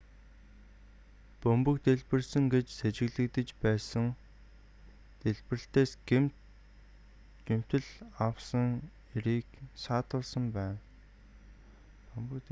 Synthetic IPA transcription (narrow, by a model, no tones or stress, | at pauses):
pɵmpɵ̆kt̪eɮpɘ̆rsə̆ŋɡet͡ɕset͡ɕɪ̆ɣɮɘ̆kt̪ɘ̆t͡ɕpæːsə̆ŋ | t̪eɮpɘrɘ̆ɬt̪eːsɡ̥emt̪ | ɡem̥t̪ɘ̆ɮawsə̆ŋ | eɾiːksaːt̪ʊːɮsə̆mpæːn | pɵmpɵ̆k̪